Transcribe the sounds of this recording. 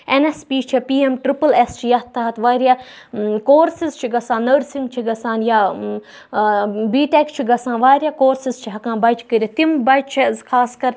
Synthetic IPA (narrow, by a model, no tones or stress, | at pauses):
enespiːt͡ʃʰipiːemʈɾipɐlest͡ʃʰijɐt̪ːɐɦɐt̪ʋaːɾʲja | koːɾsizt͡ʃʰiɡɐsãːnːəɾsiŋɡt͡ʃʰiɡɐsaːnjaː | biːʈekt͡ʃʰiɡɐsãːnʋaːɾʲjaːkoːɾsizt͡ʃʰiɦɐkãːnbɐt͡ʃʰkəɾʲit̪imbɐt͡ʃt͡ʃʰɐzkʰaːskɐɾ